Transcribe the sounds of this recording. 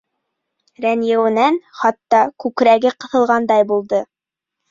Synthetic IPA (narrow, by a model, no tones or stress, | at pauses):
ɾænjɘ̆wɘ̆nænχɑt̪ːɑkʉkɾæɡɘqɤ̆θɤ̆lˠʁɑnd̪ɑjbulˠd̪ɤ